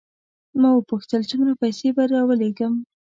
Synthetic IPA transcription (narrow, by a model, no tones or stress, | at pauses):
mɑwəpuxt̪əlt͡sʊmɾapajsebaɾɑwəleɡəm